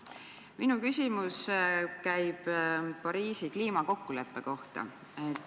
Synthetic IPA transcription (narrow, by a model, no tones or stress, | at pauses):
minukysʲimuskæjb̥pɑɾiːsikliːmɑko̞kːule̞pːe̞ko̞ht̪ɑ̰ | et̪